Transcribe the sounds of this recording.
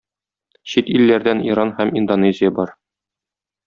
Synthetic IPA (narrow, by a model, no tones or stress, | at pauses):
ɕit̪ilːæɾd̪æniɾɑnhæmind̪onezʲɪjɑbɒɾ